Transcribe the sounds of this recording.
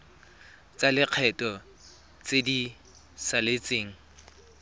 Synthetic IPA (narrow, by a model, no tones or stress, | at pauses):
t͡sʼalɪq͡χʰɛtʼɔ | t͡sedi | salet͡sʼeːŋ̩